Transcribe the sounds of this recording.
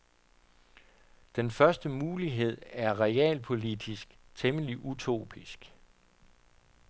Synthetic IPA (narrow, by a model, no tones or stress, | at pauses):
d̥enfɶɐsd̥əmuːliɦe̝ð̞̰ˠæɐʁɛɛ̰ːlpʰo̝lid̥isɡ̥t͡sʰeməliʔut͡sʰo̝̰ːb̥ʰisɡ̥